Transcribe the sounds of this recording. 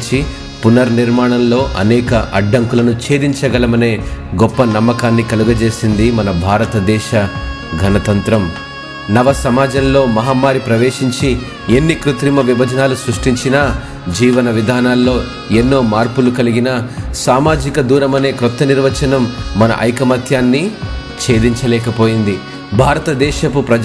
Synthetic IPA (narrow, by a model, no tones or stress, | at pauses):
t͡ʃi | punɐɾniɾmaːɳɐnlo̞ːʔɐ̰nɛːkɐʔɐɖːɐŋkulɐnut͡ʃe̞ːd̪iɲt͡ʃɐɡɐlɐmɐne̞ːɡɔpːɐnɐmːɐkaːnːikɐluɡɐt͡ʃe̞ːsind̪imɐnɐbʱaːɾɐt̪ɐd̪ɛːʃɐ | ɡʱɐnɐt̪ɐnt̪ɾɐm | nɐʋɐsɐmaːd͡ʒɐmlo̞ːmɐɦaːmːaːɾipɾɐʋe̞ːʂiɲt͡ʃi | enːikɾut̪ɾimɐʋibʱɐd͡ʒɐnaːlusɾuʂʈiɲt͡ʃinɐ | d͡ʒiːʋɐnɐʋid̪ʱaːnaːlːo̞ː | enːo̞ːmaːɾpulukɐliɡinɐsaːmaːd͡ʒikɐd̪uːɾɐmɐne̞ːkɾut̪ːɐniɾʋɐt͡ʃɐnɐmːɐnɐ̰ʔɐ̰jkɐmɐt̪ʰjaːnːi | t͡ʃe̞ːd̪iɲt͡ʃɐlɛːkɐpo̞ːjind̪i | bʱaːɾɐt̪ɐd̪ɛːʃɐpupɾɐ